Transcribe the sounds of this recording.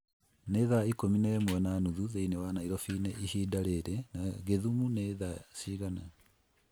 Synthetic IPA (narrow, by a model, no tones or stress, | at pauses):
neðaikominɛmwɛnanuðuðeinewanaiɾɔfiːneʔiɦiːdaɾeɾɛnaɣeðumuneðasiːɣana